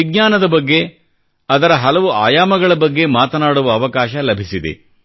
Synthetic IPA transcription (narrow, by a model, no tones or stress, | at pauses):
iɡɲaːnɐd̪ɐbɐɡːe | ɐd̪ɐɾɐɦɐlɐʋuaːjaːmɐɡɐɭɐbɐɡːe̞maːt̪ɐnaːɽuʋɐːʋɐkaːʃɐlɐbʱisid̪ḛ